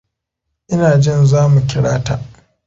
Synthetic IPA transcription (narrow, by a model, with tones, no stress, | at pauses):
ʔɪ˦naː˨d͡ʒɪ˦nzaː˦mu˨kʲɪ˦ɽaː˦ta˨ʔ